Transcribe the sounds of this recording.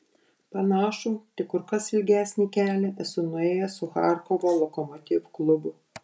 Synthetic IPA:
pɐnɑːʃuːt̪ʲɪkʊɾkɐsɪlʲɡʲæːsʲnʲiːkʲæːlʲɛɛsʊnʊɛeːjɛsʊxɑ̰ːˑɾkɔʋoːlˠɔkɔmɔt̪ʲɪːʋklˠʊbʊ

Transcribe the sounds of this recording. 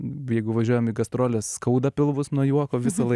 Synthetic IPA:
jɛɪɡʊʋɐʒʲuɔjɛmiːɡɐst̪ɾoːlʲeːsskɐʊd̪ɐpʲɪlˠʋʊsnuɔjuɔkoːʋʲɪsɐlˠɐ

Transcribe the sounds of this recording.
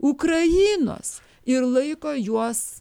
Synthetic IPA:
ukɾɐjiːno̰ːs | ɪɾlˠɐɪkoːjuɔs

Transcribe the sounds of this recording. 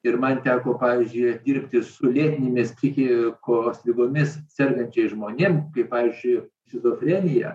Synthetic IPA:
ɪrmɐnt̪ʲæːkoːpɑːʋʲiːzʲd͡ʒʲʊɪɐt̪ʲd̪ʲiːrʲpʲt̪ʲɪsʊlʲeːt̪ʲɪnʲemʲɪstʲikʲɪkoːsʲʋʲɪboːmʲɪssʲɛrɡɐnʲt͡ʃʲɛɪʒmoːnʲeːmkɐɪppɑːʋʲizʲd͡ʒʲʊɪ | xʲɪzoːfʲrʲeːnʲɪjɛ̰

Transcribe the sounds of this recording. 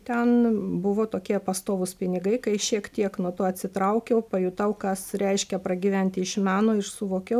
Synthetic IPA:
t̪ʲɛnbʊʋoːt̪oːkʲiɛpɐst̪oːʋʊspʲɪnʲɪɡɐɪkɐɪʃʲiɛkt̪ʲiɛknuɔt̪oːɐtʲsʲɪt̪ɾɐʊkʲɛʊpɐjʊt̪ɐʊkɐsɾʲɛɪʃʲkʲɛpɾɐɡʲiʋʲænʲt̪ʲɪɪʃmʲæːnoːɪrsʊʋoːkʲɛʊ

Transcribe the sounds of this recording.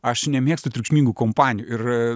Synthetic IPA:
ɐʃnʲɛmʲeɛkst̪ʊt̪ʲɾʲʊkʃʲmʲiːŋɡuːkoːmpɑːnʲɪjuːɪɾ

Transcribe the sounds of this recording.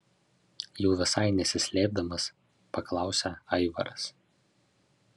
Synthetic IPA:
jɛʊʋʲɪsɑɪnʲɛsʲɪsʲlʲeːb̚d̪ɐmɐs | pɐklˠɑˑʊsʲɛɐɪʋɐ̰ɾɐs

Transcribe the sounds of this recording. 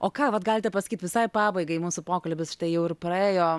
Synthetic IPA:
ʔoːkɑːʋɐt̪ɡɑːlʲɪt̪ʲɛpɐsɐ̥kit̪ʋʲɪsɐɪpɑːbɐɪɡɐɪmuːsʊpoːkɐlʲbʲɪsʃt̪ɐɪjɛʊɪrpɾɐeːjoː

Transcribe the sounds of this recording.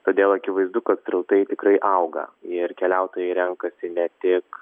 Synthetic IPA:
t̪oːd̪ʲeːlˠɐkʲɪʋɐɪzd̪ʊkɐt̪sɾɐʊt̪ɐɪt̪ʲɪkɾɐɪʔɐʊɡɐ̰ɪrkʲɛlʲæʊt̪oːjɛɪɾʲɛŋkɐsʲɪnʲɛt̪ʲɪk

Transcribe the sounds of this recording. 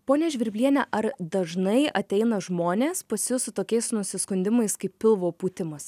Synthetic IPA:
poːnʲeːʒʲʋʲɪɾʲbʲlʲiɛnʲɛʔɐɾd̪ɐʒnɐɪɐt̪ʲɛɪnɐʒmoːnʲeːspɐsʲɪjʊsʊt̪oːkʲɛɪsnʊsʲɪskʊnʲd̪ʲɪmɐɪskɐɪpʲpʲɪlˠʋoːpuːt̪ʲɪmɐs

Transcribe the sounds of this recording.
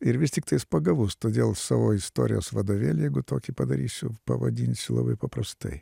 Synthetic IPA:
ɪɾʋʲɪsʲtʲɪkt̪ɐɪspɐɡɐʋust̪od̪ʲelˠsʲɐʋoɪst̪o̰ɾʲɪ̰jɛ̰sʋɐd̪oʋʲelʲjɛɡʊt̪okʲɪpɐd̪ɐɾʲisʲʊpɐ̰ʋɐ̰d̪ʲinʲsʲɪlˠɐ̰ʋɨpɐpɾɐst̪ɛ̰j

